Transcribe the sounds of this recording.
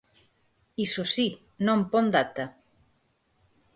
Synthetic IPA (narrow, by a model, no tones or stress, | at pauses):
isosi | nõmpond̪at̪a